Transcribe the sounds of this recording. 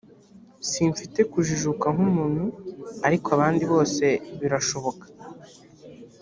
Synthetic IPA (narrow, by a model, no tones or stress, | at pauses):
siːɱfite̞kuʒiʒukaŋ̥umuːn̥huaɾikoaβaːndiβo̞ːse̞βiɾaʃo̞βo̞kḁ